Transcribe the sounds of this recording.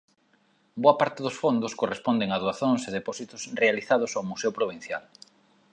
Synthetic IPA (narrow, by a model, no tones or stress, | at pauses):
boapaɾt̪eðʊsfond̪ʊskorespond̪eŋaðuaθoŋseðepɔsit̪ʊsrealiθað̞ʊsawmuseopɾoβ̞in̟θja̰l